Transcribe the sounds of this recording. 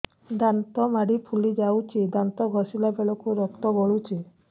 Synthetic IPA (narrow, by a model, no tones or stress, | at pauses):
d̪ant̪ɔmaɽipʰulid͡ʒawt͡ʃʰid̪ant̪ɔɡʱɔsilabeɭɔkuɾɔk̚t̪ɔɡɔɭut͡ʃʰi